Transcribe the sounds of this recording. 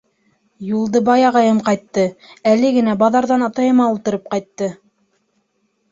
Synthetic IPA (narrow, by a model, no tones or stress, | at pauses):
julˠd̪ɤbɑjɑʁɑjɤmqɑjt̪ːɤælɘɡɘ̆næbɑðɑɾðɑnɑt̪ɑjɤ̆mɑulˠt̪ɤ̆ɾɤp̚qɑjt̪ːɤ